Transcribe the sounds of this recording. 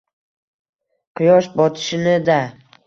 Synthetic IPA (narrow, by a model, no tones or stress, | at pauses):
qʰɨjɒʃbɒt̪ʰɪ̥ʃɪnɪd̪a